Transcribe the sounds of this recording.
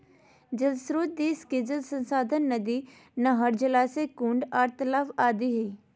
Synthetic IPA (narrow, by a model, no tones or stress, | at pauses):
d͡ʒəlsɾoːt̪̚d̪iːskeːd͡ʒəlsə̃nsaːd̪ʱənːɐd̪i | nɐɦəɾd͡ʒəlasekũɳɖaːɾt̪əlaːfaːd̪iɦei